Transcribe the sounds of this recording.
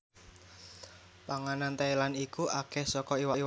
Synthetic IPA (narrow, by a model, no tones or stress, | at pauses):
paŋanant̪ailanikuʔakɛhsɔkɔiwai